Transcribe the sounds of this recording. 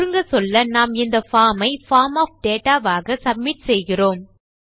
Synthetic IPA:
ɾɯŋɡɐsɔlːɐnaːmɪnd̪ɐfaːmɐɪfaːɾmaːfɖeːʈaːʋaːɣɐsɐb̚mɪʈsɛjɣɪroːm

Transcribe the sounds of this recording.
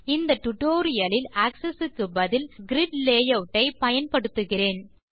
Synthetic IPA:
ɪnd̪ɐʈːʊʈoːɾɪjɐlɪlaːksɐsɯkːɯbɐðɪlɡɪɾɪɖleːjɐʋʈːɐɪpɐjɐnpɐɽɯt̪ːɯɣɪreːn

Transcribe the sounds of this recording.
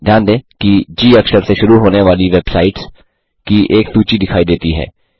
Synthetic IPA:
d̪ʱjaːnd̪ẽːkid͡ʒiːɐksəɾseʃʊɾuɦoːneʋaːliʋeːbsaːɪʈs | kiʔeːksuːt͡ʃid̪ɪkʰaːid̪eːt̪iɦɛ̰ː

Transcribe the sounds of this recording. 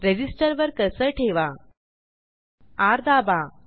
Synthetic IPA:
ɾed͡ʑisʈəɾʋəɾkəsəʈʰeʋa | aɾd̪aba

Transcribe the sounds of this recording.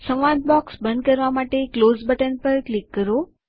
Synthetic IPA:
sə̃ʋʋãd̪̚bɔksbə̃nd̪̚kəɾʋamaʈeklozbəʈənpəɾklikːəɾo

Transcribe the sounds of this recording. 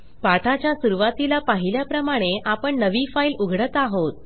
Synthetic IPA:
paʈʰat͡ɕjasuɾuʋat̪ilapaɦiljapɾəmaɽ̃eʔapəɳnəʋifailuɡʱɽət̪aɦot̪̚

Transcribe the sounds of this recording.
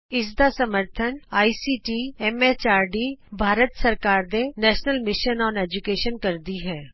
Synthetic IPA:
ɪsd̪asɐməɾt̪ʰənaːisiːʈiɛːmet͡ʃaːɾɖibʱaːɾət̪sɐɾkaːɾd̪enɛːʃnəlmɪʃənɔːneːd͡ʒukeːʃənkɐɾd̪iɦɛː

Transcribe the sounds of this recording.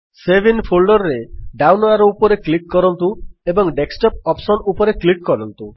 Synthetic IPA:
sebʱinpʰolɖɔɾɾeɖawnaɾɔupɔɾeklikːɔɾɔnt̪uebɔŋɖeksʈɔp̚ɔpsɔnupɔɾeklikkɔɾɔnt̪u

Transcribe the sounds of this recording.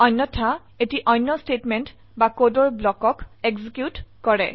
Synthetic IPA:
ɔjnːɔtʰa | etiʔɔjnːɔstetmɛnt | bakodɔɹblɔkɔkeɡzikjutkɔɹɛ̰

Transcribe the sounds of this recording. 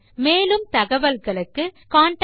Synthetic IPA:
meːlɯmt̪ɐɣɐʋɐlɣɐɭɯkːɯkaːɳʈ

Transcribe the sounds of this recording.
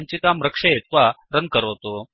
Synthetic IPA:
ɲt͡ɕikamɾəkʂeet̪ʋa | ɾən̚kəɾot̪o

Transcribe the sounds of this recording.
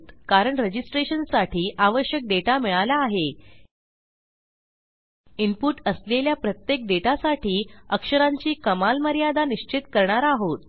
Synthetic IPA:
t̪kaɾəɳɾəd͡ʑisʈɾeɕənsaʈʰiːʔaʋəɕjək̚ɖeʈamiɭalaːɦe | impuʈəsleljapɾət̪jek̚ɖeʈasaʈiːəkʂəɾaɲt͡ɕiːkəmalməɾjad̪aniɕt͡ɕit̪kəɾɳaɾaɦot̪̚

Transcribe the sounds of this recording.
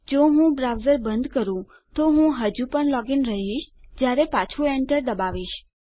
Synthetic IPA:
d͡ʒoɦũbɾawzəɾbənd̪kəɾũ | t̪oɦũɦəd͡ʒũpəɳlɔɡinɾəɦiʃd͡ʒjaɾepat͡ʃʰũɛɳʈəɾd̪əbaʋiʃ

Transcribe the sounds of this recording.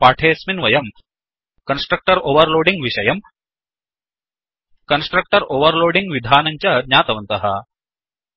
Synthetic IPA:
paːʈʰeːsminʋɐjɐm | kɐnsʈɾɐk̚ʈɐɾoːʋɐɾloːɖiŋɡʋiʂɐjɐm | kɐnsʈɾɐk̚ʈɐɾoːʋɐɾloːɖiŋɡʋid̪ʱaːnɐɲt͡ɕad̪ɲaːt̪ɐʋɐnt̪ɐɦɐ̰

